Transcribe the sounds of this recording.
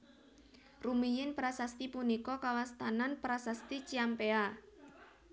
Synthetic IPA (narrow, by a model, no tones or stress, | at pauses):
rumijɪnpɾasast̪ipunikɔkawast̪ananpɾasast̪it͡ʃiampea